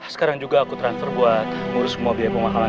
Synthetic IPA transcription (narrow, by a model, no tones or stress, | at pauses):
sə̥kaɾaŋd͡ʒuɡaːkut̪ɾansfərbuat̪̚muɾʊsəmuabiapəŋmakama